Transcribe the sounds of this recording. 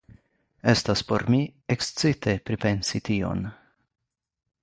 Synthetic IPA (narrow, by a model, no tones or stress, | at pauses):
estaspo̞ɾmiekst͡sit̪e̞pɾipe̞nsit̪io̞̰n